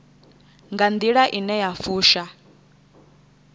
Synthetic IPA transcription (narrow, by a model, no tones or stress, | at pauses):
ŋɡand̪iɺaʔinɛjafuːʃa